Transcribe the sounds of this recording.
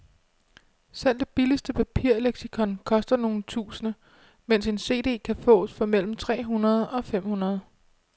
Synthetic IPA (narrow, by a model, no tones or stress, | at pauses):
sel̰d̥eb̥iləsd̥əpʰæpʰiɐ̰e̝leɡ̥sikʰɒ̽nkʰɒ̽sd̥ɐno̝ːn̩t͡sʰṵːsənə | men̰se̝nse̝̰ːd̥e̝̰ːkʰæfɔ̰̽ːsfɒ̽mel̰m̩t͡sʰʁɛ̰ːɦunɐð̞̩ˠɒ̽fem̰hunɐð̞ˠ